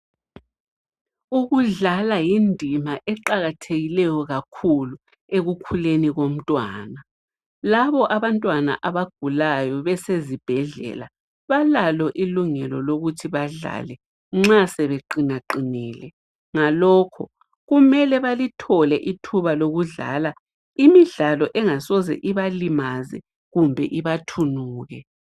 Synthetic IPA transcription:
uɣuɮalajindʱimaʔɛǃaɣatʰeɣilɛjɔɣakʰulu | eɣukʰuleniɣom̩tʼwa̰ːna | laβɔʔaβantʼwana̰ʔaβaɡ̥ʱulajɔβɛsezib̥ʱɛɮɛ̰la | βalalɔʔiluŋɛlɔloɣutʰiβaɮa̰lɛ | ŋ͡ǁasɛβeǃinaǃiniːlɛ | ŋalɔːkʰɔ̰ | ɣumɛlɛβalitʰɔlɛʔitʰuβaloɣuɮa̰ːla | imiɮalɔʔɛŋasɔzɛ̰ʔiβalimazɛ̰ | ɣumbʱɛ̰ʔiβatʰunuːɣɛ

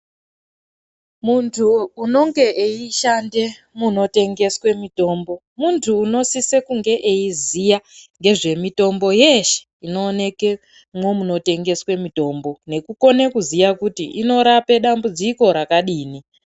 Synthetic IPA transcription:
muntʰuːno̞ŋɡe̞ʔeiʃande̞ | muno̞te̞ŋɡe̞swe̞mito̞ːmbo̞ | muntʰuːno̞sisekuŋɡe̞ʔeizijaŋɡe̞ʐe̞mito̞mbo̞je̞ʃe̥ | ino̞ːne̞ke̞ | mwomuno̞te̞ŋɡe̞swe̞mito̞ːmbo̞ne̞kuko̞nekuzijakutḭʔino̞ɾape̞ɗambud͡ziko̞ɾakaɗiːni

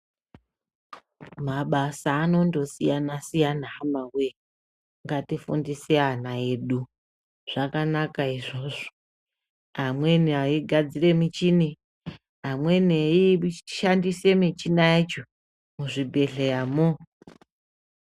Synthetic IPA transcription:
maɓasaːno̞ndosijanasijanaamawe | ŋɡatifṵndiseɦanaeɗu | ʐ̥akanakaiʐo̞ʐo | ɦamwe̞niaiɡʱad͡zire̞mit͡ʃini | ɦamwe̞neiʃandise̞mit͡ʃinaet͡ʃo | muʐibʱe̞ɮejamo

